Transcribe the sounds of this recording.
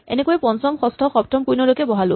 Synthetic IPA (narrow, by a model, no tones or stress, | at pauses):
ḛnekɔɛpɔnsɔŋxɔstʰɔxɔbtʰɔmpujnɔlojkɛbɔɦalʊ̰